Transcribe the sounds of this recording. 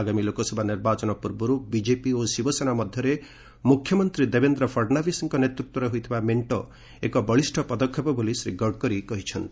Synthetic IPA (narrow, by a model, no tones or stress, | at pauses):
aɡamilokɔsɔbʱaniɾbat͡ʃɔnɔpuɾbɔɾubid͡ʒepiosibɔsenamʌd̪ʱjʌɾe | mukʰːjɔmʌnt̪ɾid̪ebend̪ɾɔpʰɔɽnabisiŋkɔnjet̪ɾit̪wɔɾeɦujt̪ʰibameɳʈɔ | ekɔbʌɭisʈʰɔpʌd̪ɔkʰːɔpɔbolisɾiɡɔɽkɔɾikɔɦit͡ʃʰʌnt̪